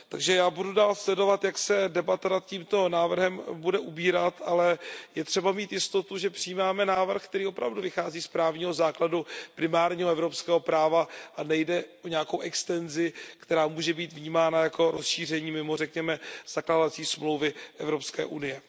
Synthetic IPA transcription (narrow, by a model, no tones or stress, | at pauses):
t̪aɡʒɛjaːbududaːlslɛdo̞vat̪jaksɛdɛbat̪anat̪̚ciːmt̪o̞naːvr̩ɦɛmbudɛʔubiːɾat̪ʔalɛjɛt̪r̝̥ɛbamiːt̪jɪst̪o̞t̪uʒɛpr̥ɪjiːmaːmɛnaːvr̩xkt̪ɛɾiːʔopɾa̰vduvɪxaːziːspɾaːvɲiːɦo̞zaːkladupɾɪmaːɾɲiːɦoɛvɾo̞pskɛːɦopɾaːvaʔanɛjdɛʔoɲɛako̞wʔɛkst̪ɛnzɪkt̪ɛɾaːmuːʒɛbiːt̪vɲiːmaːnajako̞ɾo̞sʃiːr̝ɛɲiːmɪmo̞r̝ɛkɲɛmɛz̥akladat͡siːsmlowvɪʔɛvɾo̞pskɛ̰ːʔunɪjɛ